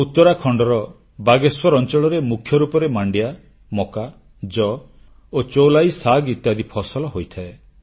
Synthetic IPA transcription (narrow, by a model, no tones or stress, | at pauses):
ut̪ːɔɾakʰɔɳɖɔɾɔ | baɡeswɔɾɔnt͡ʃɔɭɔɾemukʰjɔɾupɔɾemaɳɖija | mɔka | d͡ʒɔ | ot͡ʃowlajsaɡit̪jad̪ipʰɔsɔlɔɦojt̪ʰae